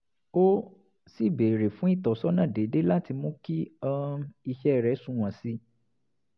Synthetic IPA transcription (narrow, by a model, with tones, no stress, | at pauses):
o˦ | si˦˨be˨ɾe˨fũ˨˦i˦˨tɔ˨sɔ˦nã˦˨de˨˦de˦la˦ti˧mũ˦ki˦ɔ˦˧i˧ʃɛ˦˨ɾɛ˨˦sũ˦w̃ã˨si˧˦